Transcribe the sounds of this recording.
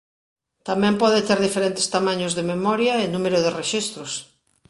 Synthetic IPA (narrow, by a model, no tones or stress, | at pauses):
t̪amɛ̃mpɔðet̪eɾðifeɾent̪ɪ̥st̪amãɲʊzðememɔɾjɐenũmeɾʊðereʃist̪ɾʊs